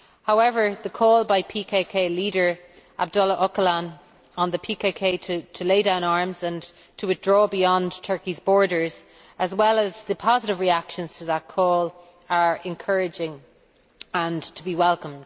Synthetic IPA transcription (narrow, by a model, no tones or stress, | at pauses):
haʊɛvə˞ðəkʰɔːlˠbaɪpʰikʰekʰeɪliːɾə˞ | ʔa̰b̚dʌləʔʌkəlãn | ə̃nðəpʰikʰekʰeɪɾʰətʰəleɪdãʊ̃naɹmzə̃n | tʰəwɪθdɹɔːbijɑ̃ntʰɜ˞kizbɔːɹɾə˞z̥ | əzwɛləzðəpʰɑzɪɾɪvɹiakʃə̃nz̥tʰəðət̚kʰɔːl | ə˞ɪ̃nkʰɜɹɪd͡ʒɪ̃ŋ | ə̃ntʰəbiwɛlˠkə̃md̥